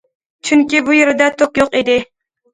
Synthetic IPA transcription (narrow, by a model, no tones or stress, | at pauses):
t͡ʃʰyŋkʲibujeɾɪd̪ɛt̪ʰokjoqid̪ɪ